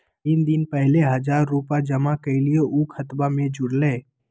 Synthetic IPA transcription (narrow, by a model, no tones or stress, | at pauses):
ɪnd̪ɪnpɛɦleɦɐd͡ʒaːɾːuːpad͡ʒəmakəilijoʔukʰət̪bamẽd͡ʒʊɽleː